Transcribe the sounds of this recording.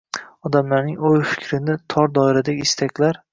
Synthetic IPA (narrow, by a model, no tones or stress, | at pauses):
ɒd̪amlaɾnɪŋojfɪ̥kʲʰɾɪnat̪ʰɒɾd̪ɒɪɾad̪aɡʲɪːst̪ʰakʲlaɾ